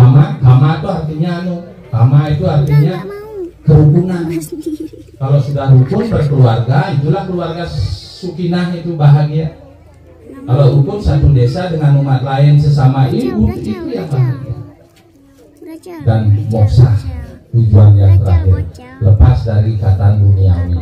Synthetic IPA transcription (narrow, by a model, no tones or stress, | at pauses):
kamakamat̪uɦart̪iɲanu | kamait̪uart̪iɲakəɾubuŋan | kalosudahuk̪ʊnbərkluarɡait̪ulahkəluarɡasukinaɦit̪ubaɦaŋja | kalohuk̪ʊnsant̪uŋdesadəŋanumat̪̚laɛnsəs̬amaibut̪it̪ujaŋbahik̪ṵ | danmɔksa̰ht̪ud͡ʒuanjaŋt̪əɾa̰ɦɪ̰rləpasdaɾikat̪andunia̰nḭ